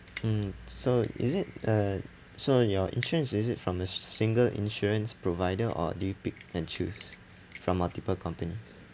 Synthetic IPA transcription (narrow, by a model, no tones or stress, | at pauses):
soḭzɪt̚ə | sojɔḭ̃nʃuɹə̃nsizitfɹɔ̃məsĩŋɡəlḭ̃nʃuɹə̃nspɹovaɪdəʔɔ̰dipik̚ɛ̃nt͡ʃʰufs | fɹɔ̃mːaltipəlkʰɔ̃mpənis